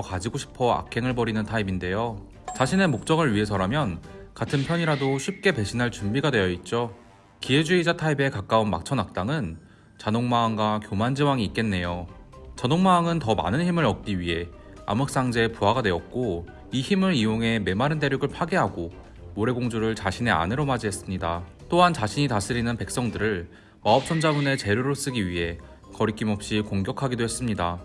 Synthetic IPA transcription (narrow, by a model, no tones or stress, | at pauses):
kad͡ʑiɡoɕʰi̥pʰʌa̰kʰe̞ŋɯɭbʌɾinɯntʰaibinde̞jo | t͡ɕaɕʰine̞mok̚t͡ɕ͈ʌŋɯɭɥiɦe̞sʰʌɾamjʌnkatʰɯnpʰjʌɲiɾadoɕʰip̚k͈e̞pe̞ɕʰinaɭt͡ɕumbiɡadwe̞jʌit̚t͡ɕ͈o | kie̞d͡ʑuid͡ʑatʰaibe̞kak͈aunma̰k̚t͡ɕʰʌnak̚t͈aŋɯn | t͡ɕanoŋmaːŋɡwakjomand͡ʑiwaŋiːt̚k͈e̞nːe̞jot͡ɕanoŋmaːŋɯntʌma̰nɯnçimɯɾʌk̚k͈iɥie̞ | a̰mɯk̚s͈aŋd͡ʑe̞puɦaɡanwe̞ʌt̚k͈o | içimɯɾioŋɦe̞me̞maɾɯndeɾjoɡɯɭpʰaɡeɦaɡo | moɾe̞ɡoŋd͡ʑuɾɯɭt͡ɕaɕʰine̞a̰nɯɾomad͡ʑiɦe̞s͈ɯmɲida | t͈oɦant͡ɕaɕʰiɲitas͈ʰɯɾinɯnpe̞k̚s͈ʌŋdɯɾɯɭ | maʌp̚t͡ɕʰʌnd͡ʑamune̞t͡ɕe̞ɾjoɾɯs͈ɯɡiɥiɦe̞ | kʌɾikʰimɦʌp̚ɕ͈ikoŋɡjʌkʰaɡidoɦe̞s͈ɯmɲida